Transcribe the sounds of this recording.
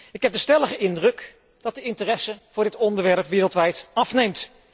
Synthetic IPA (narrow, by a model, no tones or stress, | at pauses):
ɪkɦɛp̚dəstɛləχəʔɪndrɵk | d̥ɑt̚dəɪntərɛsəv̥ʊːɹdɪtɔndəɹʋɛɹpʋɪːrəlˠtʋɛjtɑfnejmt